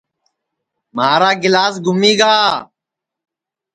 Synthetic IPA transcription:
maːɾaːɡɪlaːs̬ɡʱʊmiːɡaː

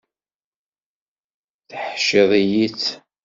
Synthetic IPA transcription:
θəħʃɪðˤijit͡sː

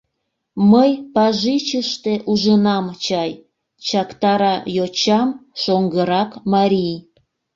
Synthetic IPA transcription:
məjpɑʒit͡ɕəʃt̪eʔuʒənɑmt͡ɕɑj | t͡ɕɑkt̪ɑɾɑjot͡ɕɑmʃoŋɡəɾɑkmɑɾʲij

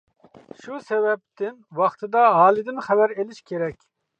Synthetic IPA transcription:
ʃusɛvɛp̚t̪ɪnwɑχt̪ʰɨd̪ɑɦɑːlˠɨd̪ɪnχɛbæɾelɪʃkʲʰeɾɛkʲ

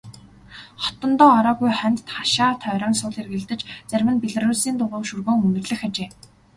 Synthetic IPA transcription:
χɔ̥t̪ɞ̆nt̪ɔːɔɾɔːɣujχœnʲt̪t̪χaʃaːt̪ʰœːɾʲɔːnsʊːɮerɣɘ̆ɮt̪ɘ̆t͡ɕt͡særʲmɘ̆npeɮɘ̆ruːɮsiːnt̪ʊʁʊːʃurɣoːŋɵnɵ̆rɮɘ̆xat͡ɕeː

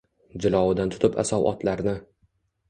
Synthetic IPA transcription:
d͡ʒɪlˠɒwɪd̪ant̪ʰʊ̥t̪ɪpʰa̰sɒwʔɒ̰t̪ʰlaɾnɪ

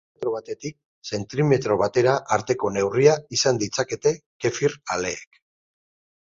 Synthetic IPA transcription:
t̪ɾo̞β̞at̪e̞t̪ik̚ | se̞nt̪ɾime̞t̪ɾo̞β̞at̪e̞ɾaʔːɾt̪e̞ko̞ne̞wriaisand̪it͡sake̞t̪e̞ke̞fiɾale̞ːk

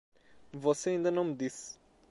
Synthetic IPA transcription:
voseĩnd̪ɐnɐ̃wmd̪is

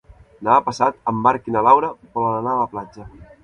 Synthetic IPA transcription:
napəsat̪əmbaɾkinəlawɾəpɔnənaəplad͡ʒə

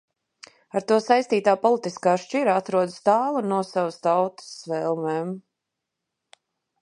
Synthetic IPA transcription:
aɾt̪uɔsajst̪iːt̪aːpɔlˠit̪iskaːʃt͡ʃiɾaat̪ɾuɔd̪st̪aːlˠanuɔsavast̪awt̪ə̥sːvɛlˠmɛːm

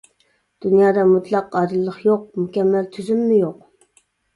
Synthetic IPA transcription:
d̪̥ynjɑːd̪ɑmut̪lˠɑqːɑd̪ɨlˠːəχjoq̚mukʲɛmːælt̪ʰyzymːɪjoq̚

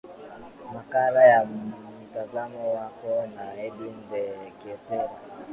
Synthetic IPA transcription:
makalaja | tazamɔwakɔnaɛdim̩bɛkesu

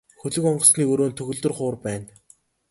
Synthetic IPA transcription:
xɵɮɵ̆kɔɴɢɞ̆sniːkɵɾoːnt̪ʰɵɣɵ̆ɮt̪ɵ̆rχʊːrpæːn

